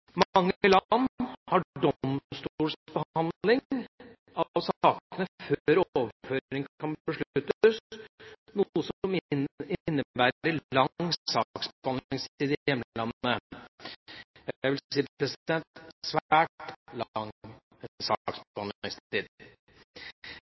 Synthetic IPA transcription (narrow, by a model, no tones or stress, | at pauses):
mɑŋːəlɑnːhɑɖɔmst̪uːlsb̥əhɑnd̪lɪŋ | ɑʋsɑːkənəføɾoːʋføːɾɪŋkʰɑnəʂɭʉt̪ːs | nuəsɔmɪnːəbæːɾəlɑsɑksbhɑnlɪŋst̪iːd̪ɪjɛmllɑnə | jæɪʋɪlsiːppɾɛsd̪ɛnt̪sʋæːʈlɑŋ | sɑksbhɑnɪŋsiːd̪